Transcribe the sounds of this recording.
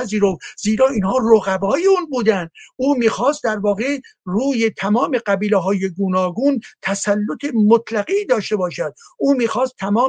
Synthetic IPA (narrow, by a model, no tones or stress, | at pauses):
æziːɾofziːɾɒːiːnhɒːroɣæbɒːjeuːnbuːd̪ænd̪ʔuːmiːxɒːst̪̚d̪æɾvɒːɣeruːjet̪ʰæmɒːme̞ɢæbiːleɦɒːjeɡunɒːɡuːnt̪ʰæsælːot̪ʰemot̪ʰlæɣiːd̪ɒːʃt̪e̞bɒːʃæd̪̥̚ʔuːmiːxɒːst̪ʰːæmɒː